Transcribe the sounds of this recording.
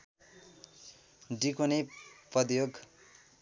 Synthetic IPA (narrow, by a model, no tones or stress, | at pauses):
ɖikonepʌd̪joɡ